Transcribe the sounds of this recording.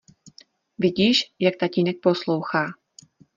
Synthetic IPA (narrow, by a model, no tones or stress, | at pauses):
vɪɟiːʃjak̚t̪aciːnɛk̚po̞slo̞wxaː